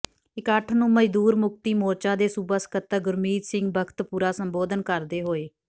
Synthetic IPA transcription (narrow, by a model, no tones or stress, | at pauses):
ɪkəʈʰnũːməd͡ʒd̪uːɾmʊk̚t̪iːmoːɾt͡ʃãːd̪eːsubəsə̥kət̪ːəɡʊɾmiːd͡ʒ̪sɪ̃ŋɡbəkʰt̪puːɾaːsəmboːd̪ənkəɾd̪eːɦoːeː